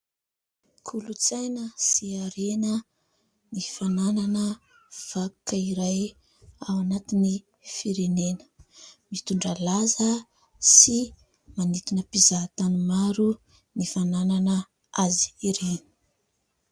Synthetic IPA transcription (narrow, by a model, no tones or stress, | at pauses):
kʰulut͡sajnəsiaɾenə | nifanananə | v̥akəiɾaj | awanat̪ini | fiɾenenə̥mit̪uɳɖ͡ʐalazə | si | manit̪inəpizat̪animaɾu | nifanananə | azi̥iɾeni̥